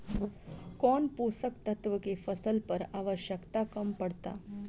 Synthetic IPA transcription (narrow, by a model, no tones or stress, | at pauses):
kɔɳpusəkt̪ət̪ʋəkefəsəlpəɾaːʋəɕjəkt̪akəmpəɽt̪a̰